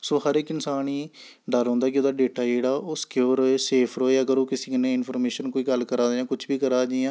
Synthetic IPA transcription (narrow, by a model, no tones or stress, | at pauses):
soːɦəɾeːkːɪnsaːniː | ɖəɾõːnd̪aːk̬ɪoːd̪aːɖeːʈaːd͡ʒeːɽaːoːskjoːɾoːeːseːpʰɾoːeːəɡəɾoːkɪsĩːkɪnẽːɪnpʰəːɾmeːʃənkoːiːɡəlkəɾaːd͡ʒãːkʊt͡ʃʰbiːkəɾaːd͡ʒãː